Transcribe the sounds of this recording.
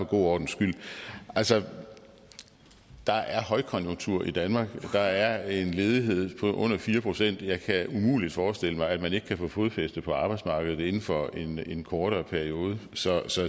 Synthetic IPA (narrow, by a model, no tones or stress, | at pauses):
ɒ̽ɡ̥o̝̰ːɒ̰ːd̥n̩sɡ̥yl̰ʔælsɒ | d̥ɑ̈ʔæɐhɒ̽ɪkʰɒ̽njo̝ŋt͡sʰuɐ̰ʔid̥ænmɑ̈ːɡ̥d̥ɑ̈æɐe̝nle̝ːð̞ˠiɦe̝ð̞̰ˠpʰɒ̽ʔɔ̽n̰ɐfiːɐpʰʁo̝sen̰d̥jɑ̈ɪkʰæumṵːlid̥fɒːsd̥e̝l̰əmɑ̈ɪæd̥mæne̝ɡ̥əkʰæfo̰ːfo̝ð̞̩ˠfesd̥əpʰɒ̽ɑ̈b̥ɑ̈ɪd̥smɑ̈ːɡ̥əð̩ˠe̝nn̩fɒ̽e̝nenkʰɒːɾ̥ɐpʰæɐio̝ːð̞̩ˠəsɒ̽sɒ̽